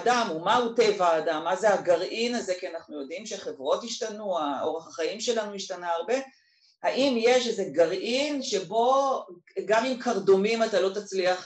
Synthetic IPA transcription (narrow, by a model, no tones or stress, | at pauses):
damumaute̞vaaːdamːazeaɡaʁʔinazekianaχnujo̞dimʃeχe̞vʁo̞thiʃtanuao̞ʁeχaχaimʃe̞lanuiʃtanaaʁbe̞ | haʔimje̞ʃeze̞ɡaʁʔinʃe̞bo̞ | ɡamimkaʁdo̞mimatalo̞tat͡sliaχ